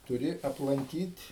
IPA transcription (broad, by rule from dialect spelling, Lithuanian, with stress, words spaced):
tʊˈrʲɪ ɐplˠɐŋʲˈkʲiːtʲ